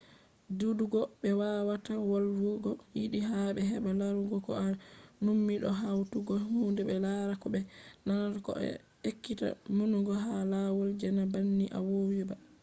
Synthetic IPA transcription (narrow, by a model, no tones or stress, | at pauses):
duduɡɔɓɛwawatawalwuɡɔjiɗiɦaɓɛɦɛɓalaɾuɡɔkɔ̰anumːiɗɔ̰ɦawtuɡɔhuːndɛbɛlaɾakɔbɛnanaɾkɔ̰ɛ̰ | ekːita̰munuɡɔɦalawɔld͡ʒɛnabanːiʔa̰wowiba